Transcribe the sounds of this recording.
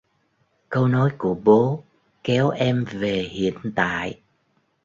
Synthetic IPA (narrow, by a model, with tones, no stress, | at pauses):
kə˧wnɔ˨˦jku˧˩əɓo˨˦ | kɛ˨˦wʔɛ˧mve˨˩hḭ˧˨ənt̪a̰ː˧˨j